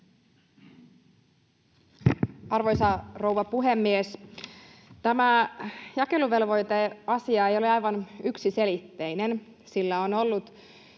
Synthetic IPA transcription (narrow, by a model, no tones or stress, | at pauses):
ɑrʋo̞jsɑro̞wʋɑpuɦe̞mːies | t̪æmæjɑke̞luʋe̞lʋo̞jt̪eɑsiɑe̞jo̞leɑjʋɑnyksise̞lit̪ːe̞jne̞n | silːæono̞lːut̪